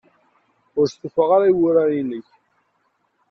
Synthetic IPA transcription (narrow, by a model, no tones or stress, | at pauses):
ʊɾsufəʁaɾaiwʊɾainəç